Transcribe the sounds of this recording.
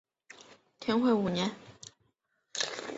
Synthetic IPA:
t̪ʰɛ˧˥nxwe˥˩ɪu˨˩njɛ˧˥n

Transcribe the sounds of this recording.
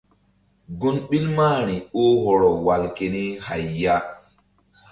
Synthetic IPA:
ɡu˦nɓi˦lmaː˦˨ɾi˨o˦ɦɔ˨ɾɔ˨wa˨lke˨ni˦ha˨jːa˦

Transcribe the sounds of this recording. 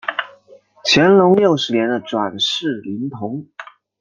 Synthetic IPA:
t͡ɕʰjɛ˧˥nlʊ˧˥ŋljo˥˩ʊʂɻ̩˧˥njɛ˧˥nd̪ə˧ʈ͡ʂwa˨˩nʂɻ̩˥˩li˧˥ŋt̪ʰʊ˧˥ŋ

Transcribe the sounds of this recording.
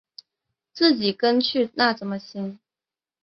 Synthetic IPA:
t͡sɹ̩˥˩t͡ɕi˨˩kə˥nt͡ɕʰy˥˧na˥˩ʈ͡ʂə˨˩nmə˧ɕi˥n

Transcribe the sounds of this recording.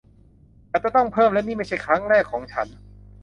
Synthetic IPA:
ʔa˨˩t̚t͡ɕa˧˩t̪ɔ˥˩ŋpʰɤː˥˩mlɛ˦˥niː˥˩ma˥˩jt͡ɕʰa˥˩jkʰɾa˦˥ŋɾɛː˥˩kʰːɔː˩˦ŋt͡ɕʰa˦˥n

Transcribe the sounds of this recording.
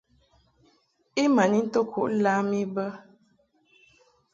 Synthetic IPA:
i˦ma˨ni˦n̩˦to˦kʰu˨ʔla˦mi˦bə˦

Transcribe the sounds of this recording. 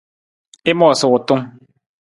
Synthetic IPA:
e˦mɔ˦˨sʊ˨ko˨tu˦ŋ

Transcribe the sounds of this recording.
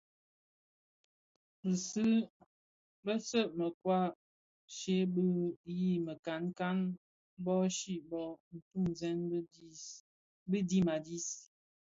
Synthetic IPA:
bə˨sɨ˦ | bə˦sə˦˨ʔmə˨kwa˦˨ | ʃe˦bə˦ji˦˨mə˨ka˨˦nka˦n | bɔ˦ʃi˦bɔ˦n̩˨tu˦˨mzɛ˦n˦ | bə˦di˦ma˨di˦s

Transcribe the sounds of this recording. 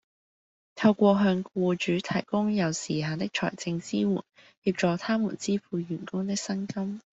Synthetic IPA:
t̪ʰɐ˧wkʷɔː˧ɦœː˧ŋkuː˧t͡ʃyː˨˥t̪ʰɐ˨˩jkʊ˥ŋjɐ˨˩wsiː˨˩ɦaː˨˩t̪ɪ˥k̚t͡ʃʰɔ̰ː˨˩jt͡sɪ˧ŋt͡siː˥wṵː˨˩n | hiː˧p̚t͡ʃɔː˨˧t̪ʰaː˥mṵ˨˩nt͡siː˥fuː˧jyː˨˩nkʊ˥ŋt̪ɪ˥k̚sɐ˥nkɐ˥m

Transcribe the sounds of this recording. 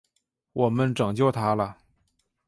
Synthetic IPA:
wɔ˨˩mə˦nʈ͡ʂɤ˨˩ŋt͡ɕjo˥˩ʊt̪ʰa˥lə˨

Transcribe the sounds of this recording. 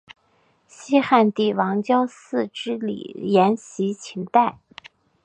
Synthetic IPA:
ɕi˥xa˥˧nt̪i˥˩wɑ˧˥ŋt͡ɕjɑ˥ʊsɹ̩˥˧ʈ͡ʂɻ̩˥lḭ˨˩jɛ˧˥nɕi˧˥t͡ɕʰi˧˥ŋt̪a˥˩ɪ

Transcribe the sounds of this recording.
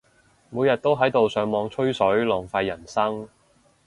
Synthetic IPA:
muː˨˧jɐ˨t̚t̪o˥wɦɐ˨˥jt̪o˨wsœː˨˧ŋmɔː˨˧ŋt͡ʃʰɵ˥ɥsɵ˨˥ɥlɔː˨˩ŋfaː˧jːɐ˨˩nsɐ˥ŋ

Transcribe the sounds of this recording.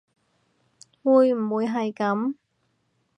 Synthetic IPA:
wuː˨˧jm̩˨˩wuː˨˧jɦɐ˨jkɐ˨˥m

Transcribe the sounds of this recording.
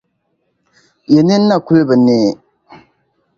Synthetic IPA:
jɛ˨nɨ˦n̩ː˦a˦˨ku˦lɨ˦bɨ˨neː˦

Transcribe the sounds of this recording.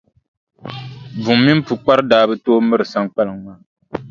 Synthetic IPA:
bu˨mːi˦m˦pu˨k͡pa˦ɾɨ˦daː˦bɨ˦toː˦mɨ˦ɾɨ˨sa˦ŋk͡pa˦lɨ˨ŋŋaː˦˨

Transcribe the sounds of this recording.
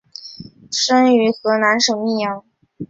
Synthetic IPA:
ʂə˥ŋy˧˥xɤ˧˥na˧˥nʂɤ˨˩mi˥˩jɑ˧˥ŋ

